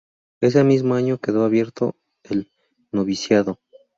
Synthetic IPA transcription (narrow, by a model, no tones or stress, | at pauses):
e̞s̬emizmoaɲo̞ke̞ðo̞aβje̞ɾt̪o̰ | el | noβisjaðo̞